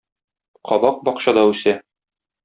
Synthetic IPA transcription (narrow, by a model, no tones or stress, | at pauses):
qɒbɑq̚bɒqɕɑd̪ɑʉsæ